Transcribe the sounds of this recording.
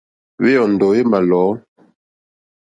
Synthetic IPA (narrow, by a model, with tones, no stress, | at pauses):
we˦ɔ˨n̩˨dɔ˨˦je˦ma˨lɔ˨˦